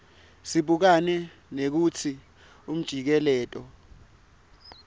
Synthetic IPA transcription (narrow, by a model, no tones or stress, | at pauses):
siɓuk̬anɛ | nek̬ut͡sʰi | um̩d̥ʒ̥ʱik̬ɛlɛːtʼɔ